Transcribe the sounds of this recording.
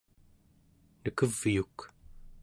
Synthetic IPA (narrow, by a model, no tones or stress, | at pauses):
nəkəvːjuk